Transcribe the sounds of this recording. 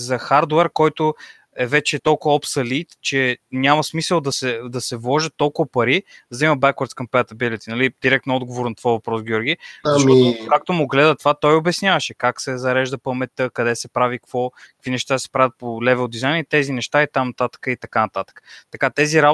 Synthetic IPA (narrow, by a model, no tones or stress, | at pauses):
zɐxaɾd̪oɛɾkɔjt̪ʊ | ɛvɛt͡ʃɛːt̪ɔlˠkʊvəɔpsɐlit̪t͡ʃɛnʲaməsmisəlˠd̪ɐsɛd̪ɐsɛvlˠɔʒət̪ːɔlˠkʊvɐpɐɾizd̪ɐimɐbɛkwəɾt̪skɐmpɛt̪ɐbilit̪inɐlid̪iɾɛk̚t̪nʊɔd̪ɡovoɾnɐt̪ovavɐpɾɔsɡʲjɔɾɡʲiʃmɔikak̚t̪omʊɡlɛd̪ət̪ovat̪ɔjobɛsnʲjavɐʃɛkaksɛzɐɾɛʒd̪əpəmɛt̪əkɐd̪ɛsɛpɾavikkvɔkə̥kv̥inɛʃt̪ad̪sɛ̥pɾavʲət̪̚polɛvɛlˠd̪izajnt̪ɛzinɛʃt̪ait̪amnɐt̪at̪ə̥kəit̪ɐkanɐt̪at̪ə̥kə̥t̪ɐkat̪ɛziɾa